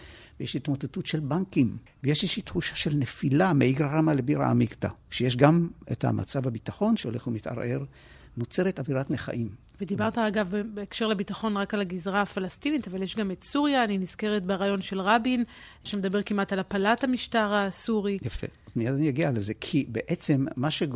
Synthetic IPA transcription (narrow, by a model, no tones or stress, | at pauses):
vejeʃitmotetutʃelbaŋkim | vejeʃeʃit̪χuʃaʃelnefilameiɡʁaʁamalebiʁa̰a̰mikt̪a̰ʃejeʃ̬ɡamḛta̰ma̰t͡savabitaχo̞nʃeoleχumit̪a̰ʁʔe̞ʁ | not͡seʁetaviʁatneχa̰ʔimved̪ibaʁt̪aaɡavbebeːkʃe̞ʁlebitaχo̞nʁakalaɡizʁaːfalast̪initavaljeʃɡame̞tsuʁjaːniniz̥ke̞ʁetbeʁajo̞nʃe̞lʁabin | ʃamed̪abe̞ʁkimatalapalathamiʃtaʁasuʁijafḛazmijad̪anijaɡialezekʰibeʔet͡se̞mːaʃe